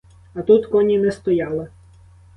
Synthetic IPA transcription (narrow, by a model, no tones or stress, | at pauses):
ɐt̪ut̪kɔnʲimɪst̪ɔjɑlˠɪ